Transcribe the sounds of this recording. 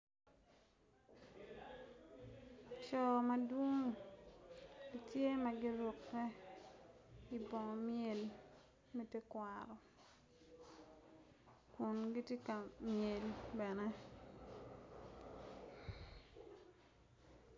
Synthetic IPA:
t͡ʃɔ˨ma˨dwo˦ŋ | i˨tje˦ma˨ɡɪ˦ɾʊ˨kːɛ˦ | i˨bɔ˨ŋɔ˨mje˨l | me˦tje˦kwa˨ɾɔ˨ | kʊ˨nɡi˦tje˦ka˨mje˨lbɛ˨nɛ˦

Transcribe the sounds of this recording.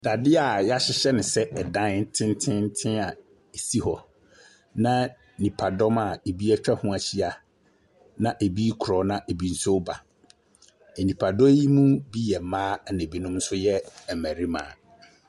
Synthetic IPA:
da˨dɪ˦a˨ja˦ɕɪ˦ɕɛ˦nɪ̃˨sɛ˦ʔɛ˨dã˦n̩˦tʰɪ̃˦n˦tʰɪ̃˦n̩˦tʰɪ̃˦a˨ | e˨si˦hɔ˨ | nã˦ | nĩ˨pʰa˨dɔ˦ma˨e˨bi˦ɛ˦t͡ɕᶣɛ˦hʊ̃˦a˨ɕi˦a˨ | nã˦ʔe˨bi˦kʰɾɔ˨˦nã˦ʔe˨bi˦n̩˦so˦ba˨ | e˨nĩ˨pʰa˨dɔ˦ji˦mũ˦bi˦jɛ˨mãː˦˨nẽ˨bi˦nʊ̃˦m̩˦sʊ˦jɛ˦ɛ˨mæ˨ɾi˦mã̰ː˨

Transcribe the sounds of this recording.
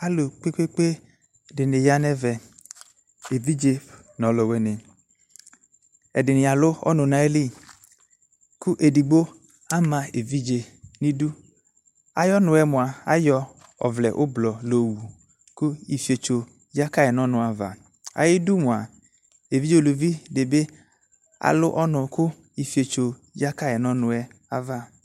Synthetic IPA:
a˨lo˨k͡pe˦k͡pe˦k͡pe˦ | dɪ˨ne˨ja˦nɛ˦vɛ˨ | e˨vi˦d͡ʒe˦ | nɔ̃˨˦lɔ˨wɛ˨˦ne˨ | ɛ˨dɪ˨nɪ˨a˨lʊ˦ɔ̰˦nʊ̃˨nã˨˦e˦li˦˨ | ku˦ʔe˨di˨ɡ͡bo˦ | a˦mã˨e˨vi˦d͡ʒe˨nĩ˦du˦ | a̰˨jɔ˦nʊ̃˨ɛ˨mʊ̃˨a˨a̰˨jɔ˦ | ɔ̰˨vlɛ̰˨ʔʊ˦blɔ˨lo˨wu˨ | kʊ˦i˨fi˨e˨t͡ʃo˨ | ja˦ka˦˨ɛ˨nɔ̃˦nʊ̃˨a˨va̰˨ | a̰˨jɪ˦du˦mʊ̃˨a˨ | e˨vi˦d͡ʒe˦o˨lu˨vi˦dɪ˨be˦ | a̰˨lʊ˦ʔɔ˦nʊ̃˨kʊ˦ | i˨fi˨e˨t͡ʃo˨ja˦ka˦jɛ˨nɔ̃˦nʊ̃˨ɛ˦a˨va˦

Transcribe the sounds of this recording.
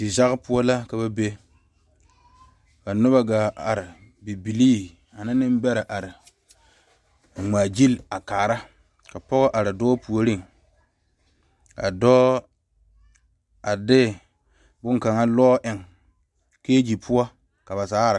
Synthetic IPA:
dɪ˨za˦ɣpʊ˦ɔ˦la˦ka˦βa˦be˦ | ka˨nʊ˦ba˦ɡa˨a˨ɾɪ˨ | bi˨bi˨liː˦ | a˨na˦nɪ˦m˦bɛ˦ɾa˨ʔa˨ɾɪ˨ | ŋ͡maː˨d͡ʒi˦la˨kaː˨ɾa˦ | ka˨pɔ˦ɣɔ˦ʔa˨ɾɪ˨dɔː˦pu˨o˨ɾi˦ŋ | ka̰˨dɔː˦ | a˨dɪ˦ | bʊ˦ŋka˨ŋa˦lɔː˦ʔɪ˨ŋ | keː˦d͡ʒi˨pʰʊ˦ɔ˦ | ka˨ba˨saː˨˦˨ɾɪ˨

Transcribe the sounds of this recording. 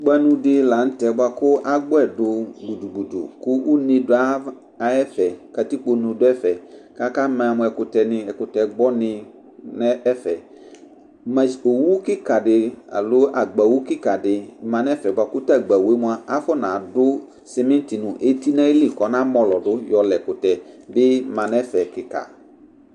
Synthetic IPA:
ɡ͡ba˦nũ˨dɪ˨la˨n̩˦tɛ˨ba˨kʊ˦ʔa˦ɡ͡bʊ˦ɛ˨dʊ˨ɡ͡bu˨du˨ɡ͡bu˨dṵ˨kʊ˦u˦nĩ˨dʊ˦a˦ | a˨ɛ˦fɛ˨ka˨ti˦k͡po˨nũ˨dʊ˦ɛ˦fɛ˨ka˦ka˦mã˨mʊ̃˨ɛ˨kʊ˨tɛ˨nɪ̃˨ɛ˨kʊ˨tɛ˨ɡ͡bɔ˦nɪ̃˨ | nɛ˦ɛ˦fɛ˨ | ma˨o˨wu˦kɪ˦ka˨dɪ˨a̰˨lʊ˦a˨ɡ͡ba˨wu˦kɪ˦ka˨dɪ˨mã˨nɛ˦fɛ˨ba˨kʊ˦ta˦˨ɡ͡ba˨we˦mũ˦a˦a˦fɔ˦nã˨dʊ˦ | sɛ˦mɛ̃˦n˦ti˨nũ˨ʔe˦ti˦nã˦e˦li˦˨kɔ˨nã˦mɔ˨lɔ˨dʊ˦jɔ˨lɛ˨kʊ˨tɛ˨bɪ˦mã˨nɛ˦fɛ˨kɪ˨ka̰˨

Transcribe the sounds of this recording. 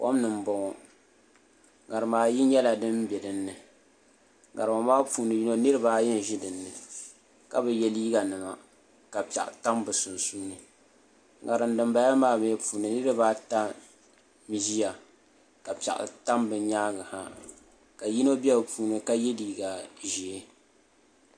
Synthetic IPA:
po̰˦mnɨ˨m̩˦bɔ˨ŋɔ˨ | ɡa˨ɾɨ˨maː˨˦ji˦ɲɛ˦la˨dɨ˦m˦bɛ˨dɨ˨nːɨ˨ | ŋa̰˨ɾɨ˨o˨maː˦puː˨˦nɨ˨ji˦no˦nɨ˦ɾɨ˦baː˦jɛ˦n˨ʒɪ˦dɨ˨nːɨ˨ | ka̰˨bɛ˨jɛ˨liː˦ɡa˨nɨ˨ma˨ | ka˨pɛ̰˨ʔta˦mbɨ˨sʊ˨nsuː˦nɨ˨ | ŋa˨ɾɨ˨ndɨ˨mba˨ja˦maː˦˨me˨˦puː˨nɨ˨nɨ˦ɾɨ˦baː˦ta˦ | mi˨ʒi˦ja˨ | ka˨pi˨a̰˨ʔa̰˨ta˦mbɨ˨˦ɲaː˦ɡɨ˨ha˨ | ka˨ji˦no˦bɛ˦bɨ˨pʰuː˨˦nɨ˨ka˦jɛ˦liː˨ɡa˨ʒi˨˦

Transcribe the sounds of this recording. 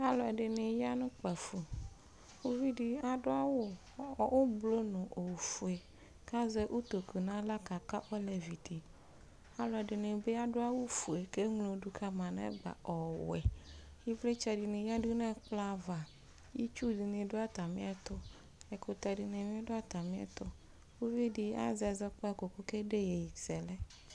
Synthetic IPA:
a˦lɔ˨ɛ˨ɖɪ˨nẽ˨ja˦nʊ̃˦k͡pɛ˨fu˨ | xo˦vi˦di˦a˨do˦a˦wo˦˨ | wo˦blo˦nʊ̃˨ʔo˨wfu˨e˨ | ka˦ze˦ʔu˦t̪o˨ku˨nã˦la˦ka˨ka˦ʔɔ˦le˨vi˨di˨ | a˦lɔ˨ɛ˨ɖɪ˨nẽ˨be˦a˦do˦a˦wo˦fu˨e˨ke˦ŋlo˨ɖu˦kʰa˦mã˨nɛ̰̃˦ɡ͡ba̰˨ɔ˨wɛ̰˨ | ji˦vle˦t͡ʃɛ˨di˨nẽ˨ja˦du˦nɛ̃˦k͡pla˦va˨ | ji˦t͡ʃu˦di˨nẽ˨ɖo˦a˦t̪a˨mḭ̃˦ɛ˦t̪ɔ˦ | ɛ˨ko˨t̪ɛ˨di˨nẽ˨m̃˦ɖo˦a˦t̪a˨mĩ˦ɛ̰˦t̪ɔ˦ | wu˦vi˦di˦a̰˦zɛ˨zɛ˦k͡pɔ˦ɛ˦ko˨ko˦ke˦ɖe˦je˨ji˨sɛ˨lɛ˦

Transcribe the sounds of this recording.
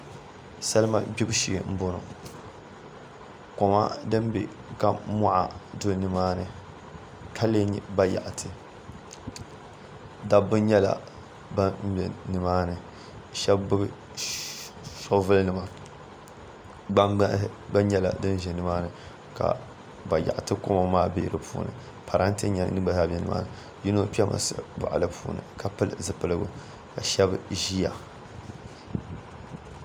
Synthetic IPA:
sa˦lɨ˦ma̰˦bi˦bʊ˦ʃi˨m̩˦bʊ˦nʊ̰˨ | kɔ˨ma̰˦dɨ˦mbɪ̰˨ | ka˨mɔ˦ʔa̰˨dʊ˦lnɨ˨maː˦nɨ˨ | kʰa˦le˦ɲ˨ba˦ja̰˨ʔtʰɨ˨ | da˦bɨ˦ɲɛ˦la̰˨ | ba˦m̩˦bɛ̰˨nɨ˨maː˦nɨ˨ | ʃɛ˦bbɨ˦ | so˦vɨ˦lnɨ˨ma˨ | a˦ɡ͡ba˦ɲɛ˦la̰˨dɨ˦n˦ʒɛ˨nɨ˨maː˦nɨ˨ | ka̰˨ | ba˨ja̰˨ʔtɨ˦ko˦ma˨maː˦be˦ɾɨ˨pʰṵː˦nɨ̰˨ | pʰa˨ɾa˦n˦tɨ˦ɲɛ˨nɨ˦ɡ͡ba˨ha˦˨bʲɛ˨˦nɨ˨ma̰ː˦nɨ˨ | ji˦no˦pi˦ɛ˦mʔa̰˨sɨ˦ba̰˨ʔa̰˨lɨ˦pʰuː˦nɨ̰˨ka˨pɨ˦lɨ̰˨zɨ˨pɨ˦lɨ˦ɡṵ˦ | ka˨ʃɛ˦bʒi˦ja̰˨

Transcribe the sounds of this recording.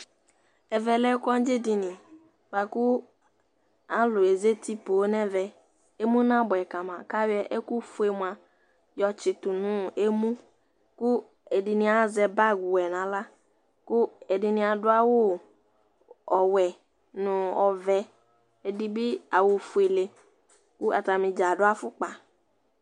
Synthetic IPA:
ɛ˨vɛ˨lɛ˦kɔ˦n˦d͡ʒɪ˦dɪ˨nɪ̃˨ | ba˨kʊ˦ | a˦lʊ˨e˨ze˦ti˦poː˨˦nɛ˦vɛ˨ | e˦mũ˦nã˦bʊ˨ɛ˨ka˨mã˨ka˦wɛ˨ʔɛ˦ku˦fu˦e˨mʷ˨a˨ | jɔ˨t͡ʃɪ˨tʊ˨nʊ̃˦e˦mũ˦ | kʊ˦ | ɛ˨dɪ˨nɪ̃˦a˨zɛ˨ba˦˨ɡu˨wɛ˨nã˨la˦ | kʊ˦ɛ˨dɪ˨nɪ̃˦a˨dʊ˦a˦wʊ˦ | ɔ˨wɛ˨ | nʊ̃˨ɔ˨vɛ˨ | e˨dɪ˨bɪ˦a˨wʊ˨fu˨e˨le˨ | kʊ˦a˨ta˨mɪ̃˨d͡ʒa˨dʊ˦a˦fʊ˦k͡pa˨

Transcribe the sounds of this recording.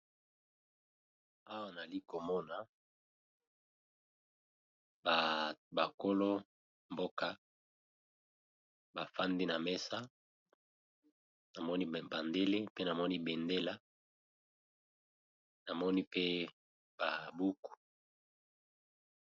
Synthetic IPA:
a˦wa˦˨na˨li˦ko˨mɔ˦na˨ | bba˨ko˦lo˦ | mbo˦ka˦ | ba˨fa˦ndi˦na˨mɛ˦sa˦ | na˨mɔ˦ni˦ba˨nde˦le˦pe˦na˨mɔ˦ni˦be˨nde˦la˦ | na˨mɔ˦ni˦pe˦ | ba˨bu˦ku̥˨

